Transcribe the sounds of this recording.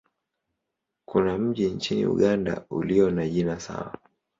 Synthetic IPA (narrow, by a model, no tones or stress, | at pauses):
kunam̩ʄint͡ʃinḭṵɠanda̰uliɔnaʄinasa̰wa̰